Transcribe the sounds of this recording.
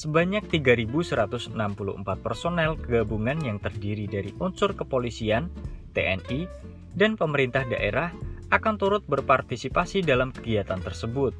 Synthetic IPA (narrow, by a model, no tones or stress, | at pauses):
səbaɲak̚t̪iɡaɾibusəɾat̪ʊsənampulṵʔə̰mpat̪̚pərsonɛlkəɡabuŋanjaŋt̪ərdiɾidaɾiʔunsʊrkəpolisiant̪ḛʔɛ̰ni | danpəməɾint̪ahdaʔḛɾahʔakant̪uɾʊt̪̚bərpart̪isipasidalamkəɡiat̪ant̪ərsəbʊt̪̚